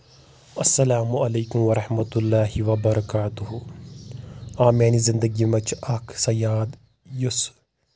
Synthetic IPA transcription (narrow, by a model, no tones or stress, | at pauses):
ɐsːɐlaːmuɐleːkʊmʋɐɾˤɐħmɐt̪ʊlːaːɦiʋɐbɐɾɐkaːt̪ʊɦʊ | ãːmɛːnizɪ̃nd̪əɡimɐt͡ʃʰɐkʰsɐjaːd̪ | jʊs